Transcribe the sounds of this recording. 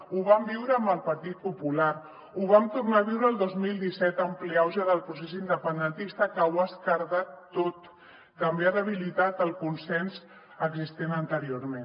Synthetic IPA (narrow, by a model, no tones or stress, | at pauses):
uβ̞ambiwɾəːmbəlˠpəɾt̪it̪̚pupulaɾ | uβ̞amt̪urnaβ̞iwɾəːlˠd̪ozmilˠd̪isɛt̪əmpleawzaðəlˠpɾus̬esind̪əpənd̪ənt̪ist̪əkəwaskəɾðat̪ːot̪ː | əmbearəβ̞ilit̪at̪əlˠkunsɛnz | əɡzist̪enənt̪əɾioɾmen